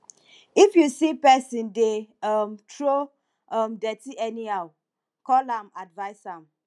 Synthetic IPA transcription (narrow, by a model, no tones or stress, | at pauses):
ifjusipɛsĩndeʌmtʰɹo | ʌmdɛtiʔɛniaw | kɔlãmadvaɪsãm